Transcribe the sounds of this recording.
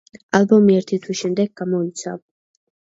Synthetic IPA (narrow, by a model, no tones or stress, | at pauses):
albɔmiɛɾt̪ʰit̪ʰwiʃɛmd̪ɛɡ̚ɡamɔit̪sʰa̰